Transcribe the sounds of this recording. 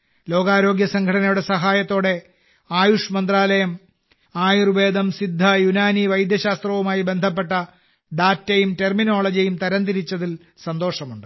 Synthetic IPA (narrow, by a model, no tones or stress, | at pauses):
lo̞ːɡaːɾo̞ːɡjɐsɐŋɡʱɐɽɐnɐjuɽe̞sɐɦaːjɐt̪ːo̞ːɽe̞ | aːjuʂmɐnd̪raːlɐjɐm | aːjurʋe̞ːd̪ɐmsid̪ʱːɐjunaːniʋɐjd̪jɐɕaːst̪rɐʋumaːjibend̪ʱɐp̬ːe̞ʈːɐ | ɖaːtːɐjumtermino̞ːɭɐd͡ʑɐjumt̪ɐɾɐnd̪iɾit͡ɕːɐðil | sɐnd̪o̞ːʂɐmuɳɖɨ